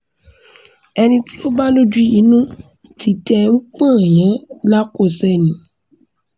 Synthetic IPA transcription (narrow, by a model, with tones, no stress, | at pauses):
ɛ˧nĩ˧ti˦o˦ba˦lo˦d͡ʒu˦i˨˦nũ˦ | ti˨˧tɛ˧ŋ̩˦k͡pã˦˨j̃ã˨˦la˦ko˦˨sɛ˦˨nĩ˨˦